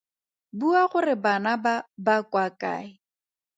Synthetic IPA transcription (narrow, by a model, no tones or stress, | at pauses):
buaχʊrɪbanababakʼwakʼa̰ːɪ